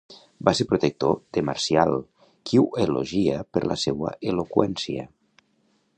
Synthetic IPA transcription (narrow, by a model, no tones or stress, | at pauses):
baseɾpɾot̪ek̚t̪od̪̥emaɾsjalˠ | kʰiueloʒiəpəɾlʔa̰sewə̰ʔelokwɛnsiə̰